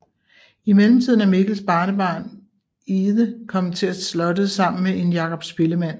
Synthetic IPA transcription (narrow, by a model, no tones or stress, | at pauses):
imelm̩t͡sʰið̞̰ˠnæmeɡ̥l̩sb̥ɑ̈ːnəb̥ɑ̰̈ːn | iːðˠəkʰɒ̽m̰t͡sʰe̝æslɒ̽dəsɑ̈m̰n̩meʔe̝njɑ̈kʰɒ̽b̥sb̥e̝ləmæn̰